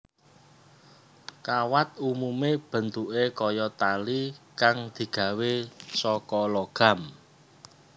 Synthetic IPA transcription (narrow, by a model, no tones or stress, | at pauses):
kawat̪̚umumeb̥ə̤nt̪uʔekɔjɔt̪alikaŋd̪̥i̤ɡ̥ä̤wesɔkɔlɔɡ̥a̤m